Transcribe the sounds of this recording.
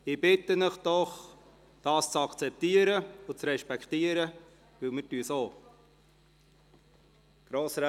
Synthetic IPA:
ɪb̥ɪt̪ənəχd̥ɔχ | d̥ɑːst͡sɑkt͡sɛp̚t̪iːəɾəʊt͡sɾɛʃpɛkχtiːəɾə | ʋɪlmətysoː | ɡ̥ɾoːsɾ

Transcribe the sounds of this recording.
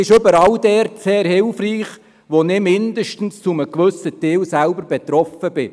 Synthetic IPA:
ɪʃʏbəɾɑldɛɾtseːɾhɪlfriːχ | ʋonɪmɪndəʃtn̩st͡sʊməkʋɵsətɪːlsælbəɾbɛt̪ɾɔfəb̥ɪ

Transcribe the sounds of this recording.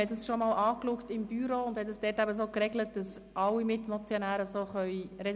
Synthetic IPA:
ɛt̚dəsʃomɑːlɑːklʊktɪmbyɾoːʊnd̥hɛt̚əsd̥ɛːtæbəsoːkɾɛɡlət̚d̥ɑs | ʔɑlːimɪtmɔt͡sjonæːɾəsoːχœʏɾɛ

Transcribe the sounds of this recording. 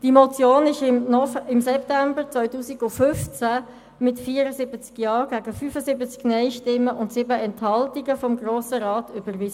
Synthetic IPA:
d̥imɔt͡sjoːnɪʃɪnɔɪmsɛp̚tæmbəɾt͡svœʏtuːsiɡʊfʏft͡sæ | mɪtfiːəɾəzɪbət͡skjɑːɡ̥æɡəfyːfəzɪbət͡sknɛɪʃtɪmːəʔʊntsɪbəɛnthɑltiɡəfɔmɡroːsəɾɑːtʰʏbəʁʋɪsə

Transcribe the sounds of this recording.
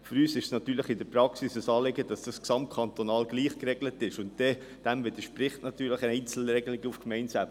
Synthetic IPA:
fyɾyːsɪʃsnɑt̪yːləχɪndəpɾɑksisəsɑːleɡəd̥ɑsd̥ɑsksɑmt̚kʰɑnt̪onɑːlɡ̥liːχkrɛɡlətɪʃʊntd̥ɛ | d̥æmvɪd̪əʃpɾɪχtnɑt̪yːləχəɛɪnt͡sl̩ɾɛɡəlɪɡəufkmɛɪntsaːb

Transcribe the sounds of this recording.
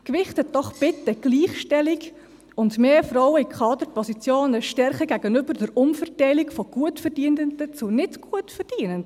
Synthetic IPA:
kʋɪχthɛt̚d̥ɔχb̥ɪt̪ːəɡ̥liːχʃtɛliɡ | ʊndmeːfrɔwəikχɑːd̪əɾpɔsit͡sjoːnəʃtɛɾχəɡæɡənʏbəɾd̥əɾʊmfərtɛɪlikfɔɡ̥uətfəɾd̥iːəndəndət͡sunɪdɡ̥uətfərd̥iənənd

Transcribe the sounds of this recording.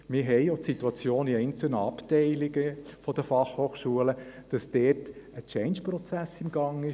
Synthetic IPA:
mɪɾɦɛɪjotsit̪uɑt͡sjoːniɛɪnt͡sl̩nəɑptɛɪlɪɡəfɔd̥əfɑχhoːχʃuələd̥ɑsd̥ɛːtət͡ʃɛɪnʃpɾɔt͡sæsɪmɡ̥ɑŋɪ

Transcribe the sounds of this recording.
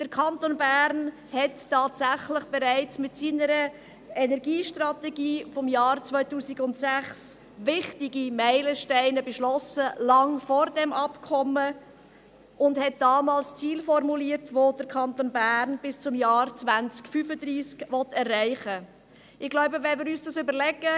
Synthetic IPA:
d̥əɾkʰɑntoːnbæːɾn | hɛttːɑːtsæχləχb̥ɛɾæɪt͡smɪtsiːnəɾə | ɛnɛɾɡiːʃtrɑtɛɡiːfɔmjɑːrt͡svœʏtuːsɪɡʊntsæχs | ʋɪχtɪɡimæɪləʃtɛɪnəbəʃlɔsəlɑŋfɔɾdɛmɑpkʰɔmːə | ʔʊndhɛt̚d̥ɑːmɑːlst͡siːlfɔɾmuliəɾtʋod̥əɾkʰɑnt̪onbæːɾnb̥ɪst͡sʊmjɑːɾt͡sʋænt͡skfyfəd̪riːskʋɔtɛrːæɪχə | ɪχɡ̥laʊbəvɛnmɪɾyːsd̥ɑsʏbəɾlɛɡə

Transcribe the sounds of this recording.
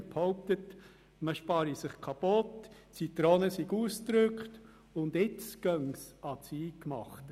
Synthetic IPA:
phɔwp̚t̪ət | məʃpɑːɾisɪχkʰɑpot | t͡sit̪ɾoːnəsiɡuːst̪ɾʏkχt | ʊnd̪ɪt͡sɡ̥œŋsɑt͡siːkmɑ̰χt

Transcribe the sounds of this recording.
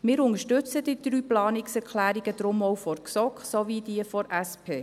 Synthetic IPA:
mɪːɾʊŋəʃtɵt͡sədid̪̥ɾyːplɑːniksɛɾkʰlæːɾiɡ̥əd̪ɾʊmɔwfɔɾksɔkχsovid̥iəfɔɾʔæspʰeː

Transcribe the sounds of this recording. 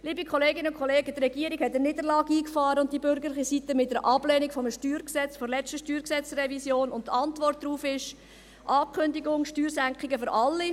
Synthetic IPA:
liːbikʰɔleːɡɪnəʊnkʰɔleːɡətrɛɡiːəɾikhɛt̚dəniːdəɾlɑːɡiːkfɑːɾəʊnt̚dibʏɾɡəɾlɪχisit̪əmɪtəɾʔɑb̥lɛːnikfɔməʃtyːɾksɛt͡sfɔɾlɛt͡stəʃtyːɾksɛt͡srɛvisjoːnʊntɑntvɔrt̚d̥ɾuːfɪʃ | ʔɑːkʰχʏndiɡʊŋʃtyːɾsæŋkχɪɡəføɾʔɑlːi

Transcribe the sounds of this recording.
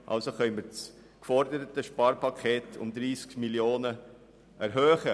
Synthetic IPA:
ʔɑ̰lsoχœʏməɾs | kfɔɾdəɾətəʃpɑːɾpɑkʰeːtʰʊ̰md̪ɾiːskmiljoːnə | ɛɾɦøːχə

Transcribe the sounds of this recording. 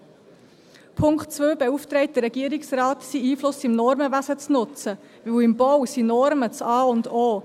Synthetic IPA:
pʰʊŋktt͡svøːbɛuft̪ɾɛɪt̚d̥̪əɾɛɡ̥iəɾɪksɾaːt̪siiːflʊsɪmnɔɾməvæzət͡snʊt͡sə | ʋɪwɪmb̥ɔwsinɔɾmət͡sɑːʊndoː

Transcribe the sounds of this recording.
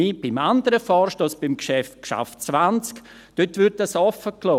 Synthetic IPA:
iːb̥ɪmandəɾəfɔːɾʃtoːsb̥imkʃɛft̚kʃa̰ft͡svant͡sk | d̥øtʋɪɾt̚asɔfəklɔː

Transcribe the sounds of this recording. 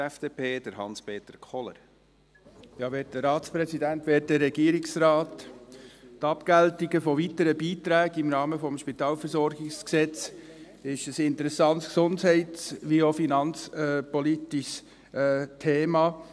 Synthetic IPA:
ɛfd̥eːpʰeːd̥əɾhɑ̰nspeːt̪əɾkʰχɔlə̰ɾ | jɑːʋeːt̚d̥əɾɑːt̪spɾɛsidæntʋɛːt̚dəɾːɛɡ̥iːɾɪksɾɑːt | tɑpkæltiɡəfɔʋitəɾəbiːt̪ɾæːɡɪmɾɑːməfɔmʃpit̪ɑːlfəɾsɔɾɡɪksksɛt͡s | ɪʃəsɪnt̪əɾɛsɑnt̪sksʊndɦɛɪtt͡sʋiofinɑnt͡spɔlitiʃ | tʰeːmɑː

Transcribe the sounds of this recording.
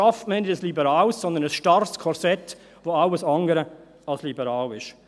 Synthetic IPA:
ɑftməɪnɪdəslibəɾɑːlssɔnd̪ənəsʃtɑrskʰɔɾsɛt̪ | ʋoaʊəsɑŋɡəɾə | ɑlslibəɾɑːlɪʃ

